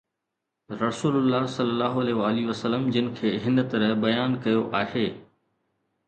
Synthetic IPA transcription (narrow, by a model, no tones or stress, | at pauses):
ɾɐsuːlʊlːaːɦsɐlːəlːaːɦoɐleːʋaːliʋəsəlːəmd͡ʑɪnɪ̆kʰeːɦɪnt̪ɐɾəɦbɐjaːnkɐjoʔaːheː